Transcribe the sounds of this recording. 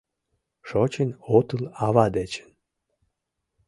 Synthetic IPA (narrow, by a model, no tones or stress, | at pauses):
ʃot͡ɕenot̪əlɑβɑd̪et͡ɕə̥n